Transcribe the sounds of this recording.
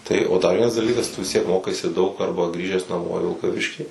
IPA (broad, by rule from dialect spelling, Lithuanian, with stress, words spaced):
tɐɪ oː dɐr ˈʋʲiɛnɐs dɐˈlʲiːkɐs tʊ ʋʲɪs ˈtʲiɛk ˈmoːkɐɪsʲɪ dɐʊk ˈɐrbɐ ˈɡrʲiːʒʲæːs nɐˈmoː ɪ ʋʲɪlˠkɐˈʋʲɪʃʲkʲiː